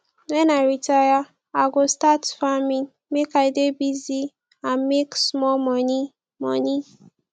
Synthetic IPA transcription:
wɛ̃naɹitaja | aɡostatfamĩn | mekaɪdebizi | ãnmeksmɔlmɔni | mɔ̰ni

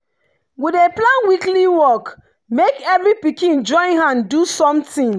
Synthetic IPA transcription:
wideplãnwikliwɔk | mekɛvɹipikĩnd͡ʒɔ̃ɪ̃nhãndusɔ̃mtĩŋ

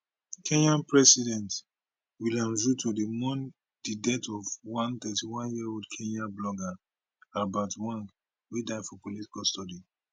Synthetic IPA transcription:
kʰẽnãnpɹɛsidɛ̃nt | wilãmɹutodimɔ̃n | d̥idɛtʰɔvwãnt̪ɛtiwãnjiodkʰẽnablɔɡa | abatwãn | widaɪfɔpolitkɔstɔdi

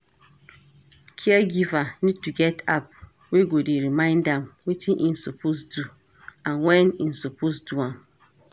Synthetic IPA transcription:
kʰɛɛɡivanid̚tuɡɛtʰap̚ | weɡodeɾimãɪ̃ndãmwitʰĩnʔin̩sopʰosdu | ãnwɛnĩn̩soposduãm

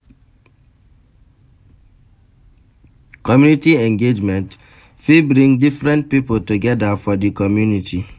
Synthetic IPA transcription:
kɔmjunitiɛ̃ŋɡed͡ʒmɛ̃nt | fibɾĩŋdifɾɛ̃nt̚pipotuɡɛdafɔdikɔmjunitʰi

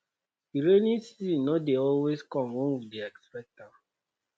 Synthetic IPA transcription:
iɾenisinodeɔlweskɔ̃mwɔ̃nwideɛkspɛk̚ta

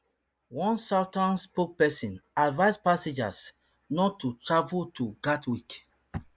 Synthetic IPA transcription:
wɔ̃nsatãnspok̚pɛsĩnadvaɪspased͡ʒas | nɔtːutɹavultʰuɡatwik

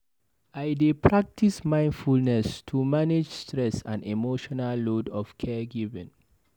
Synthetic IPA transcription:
ajdepʰɹak̚tʰismãɪ̃nfulnɛstʰumaned͡ʒstɹɛsã̰nimoʃɔnalːodɔfkʰɛɡivɛ̰̃n

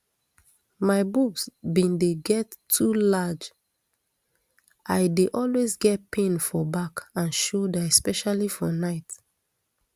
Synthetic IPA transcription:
maɪbuksbĩndeɡɛtʰːulad͡ʒ | ʔaɪdeʔɔlwezɡɛt̚pʰẽnfɔbakãnʃodaɛspɛʃalifɔnaɪt

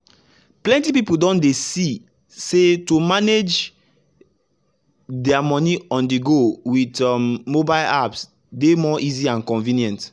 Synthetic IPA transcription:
plɛ̃ntipipuldɔ̃ndesi | setumaned͡ʒ | dɛamɔniɔ̃ndiɡowitɔmːobaɪlaps | demɔʔiziãnkɔ̃nvĩniɛ̃nt

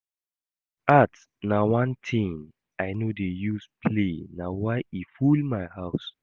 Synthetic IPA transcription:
at | nawãntʰĩŋ | aɪnodejuspʰlenawaɪifulmaɪhaʊs

